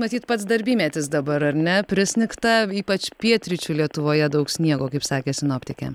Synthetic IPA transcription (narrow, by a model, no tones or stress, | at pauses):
mɐt̪ʲiːt̪pɐt̪s̬d̪ɐɾʲbʲiːmʲɛːt̪ʲɪs̬d̪ɐbɐɾɐɾʲnʲɛpʲɾʲɪsʲnʲɪkt̪ɐiːpɐt͡ʃpʲiɛt̪ʲɾʲɪt͡ʃʲulʲiɛt̪ʊʋoːjɛd̪ɐʊksʲnʲiɛɡoːkɐɪpsɑːkʲeːsʲɪnoːpʲt̪ʲɪkʲɛ̰